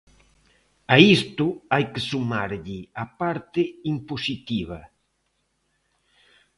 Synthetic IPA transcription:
ɐist̪ʊajkesumaɾʎɪɐpaɾt̪ɪimposit̪iβ̞ɐ

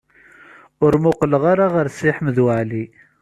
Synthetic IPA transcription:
ʊɾmʊqləʁaɾaʁəɾsɪħəmðwəʕli

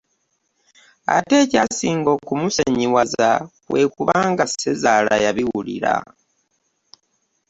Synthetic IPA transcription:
a̰te̞ːcasiːŋɡo̞kumuseɲiwaza | we̞kuβaːŋɡase̞zaːlajaβiwulḭɾa̰

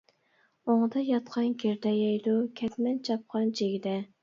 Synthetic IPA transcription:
oŋd̪ɑjɑt̪qʰɑnkʲeɾd̪ɛjɛjd̪ukʲʰɛt̪mɛnt͡ʃʰɑp̚qʰɑnd͡ʒʰeɡʲid̪ɛ

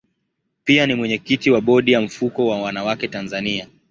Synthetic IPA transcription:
pianimwɛɲɛkitiwaɓɔɗijam̩fukɔwawanawakɛtanzania

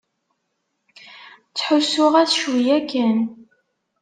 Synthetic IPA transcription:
t͡sːħʊsʊʁæθʃwijækːæn

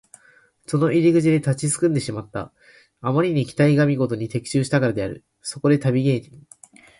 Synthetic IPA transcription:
so̞no̞ʔiɾʲiɡɯ̟t͡ɕid̪e̞t̪at͡ɕisɨ̥kɯ̟̃nd̪e̞ɕimat̪ːa̰ː | maɾʲiɲ̟ikʲi̥t̪aiɡamʲiɡo̞t̪o̞ɲ̟it̪e̞kʲi̥ɕɨːɕi̥t̪akaɾad̪e̞aɾɯ̟̰ | so̞ko̞d̪e̞t̪abʲiɡe̞ːɲ̟i

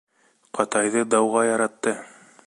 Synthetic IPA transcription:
qɑt̪ɑjðɤd̪ɑwʁɑjɑɾɑt̪ːɤ

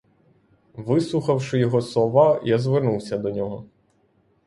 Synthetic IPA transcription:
ʋɪslˠuxɐwʃɪjɔɦɔsˠɔʋajazʋɪrnuwsʲɐd̪ɔnʲɔɦɔ

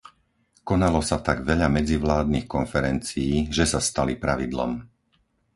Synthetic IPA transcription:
kɔnalɔsat̪aɡʋɛʎamɛd͡ziʋlaːd̪̚nixkɔnfɛɾɛnt͡siːʒɛsast̪alipɾaʋid̪lɔ̰m

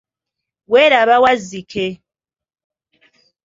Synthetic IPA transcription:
wɛɾaβawazikʰɛ

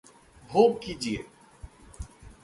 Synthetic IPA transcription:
bʱoːɡ̚kiːd͡ʒieː

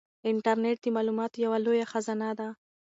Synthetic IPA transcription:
ɪɳʈaɾneʈ̚d̪əmɑlumɑt̪jawalojaxazɑnad̪a

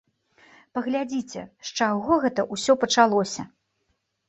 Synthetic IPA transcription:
pɐɣlʲad͡zʲit͡sʲɛ̰ʂt͡ʂaɣɔɣɛt̪ɐʔusʲɔpɐt͡ʂalˠɔsʲɐ̰

